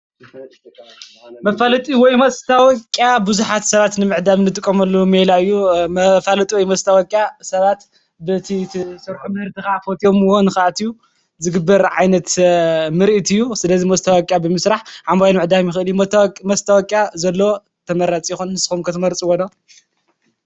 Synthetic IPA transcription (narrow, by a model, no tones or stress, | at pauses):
mɐfalɐt̪ʼiwɔjmɐst̪ʰawɔkʼːjabɨzuħat̪sɐβat̪nɨmɨʕd̪amnɨt̪ʼɨkʼːɐmɐlːumelaɨjːumɐfalɐt̪ʼiwɔjmɐst̪ʰawɔkʼjasɐβat̪ | bɨt̪ʰit̪ʰsɐɾħumɨhɨɾt̪ʰixafot̪ʰiomɨwonɨxʔat̪ijːu | zɨɡɨbːɐɾʕa̰jnɐt̪mɨɾʔit̪ʰɨjːusɨlɐzimɐst̪ʰawɔkʼjabɨmɨsɾaħʕambajlmɨʕd̪amjɪxɨɨljumɐst̪ʰawɔkʼjazɐlːɐwo | t̪ʰɐmɐɾat͡sʼjɪxunnɨskumkʰɐt̪ʰɨmɐɾt͡sʼiwonɐ